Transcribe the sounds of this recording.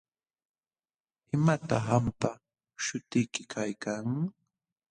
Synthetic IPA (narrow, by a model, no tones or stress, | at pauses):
ɪmat̪ahampa | ʃʊt̪ɪjkɪkʰajkaŋ